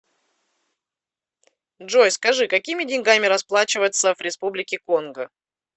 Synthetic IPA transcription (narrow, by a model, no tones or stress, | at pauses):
dʐo̞jskɐʐɨkɐkʲimʲɪdʲɪnʲɡamʲɪɾɐsplˠat͡ɕɪvət̪səvɾʲɪspublʲɪkʲɪko̞nɡə